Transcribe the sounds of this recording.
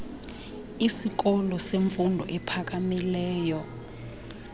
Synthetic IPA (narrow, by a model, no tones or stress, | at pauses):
isik̬ɔlɔseɱfundʱɔ̰ʔɛpʰak̬amilɛːjɔ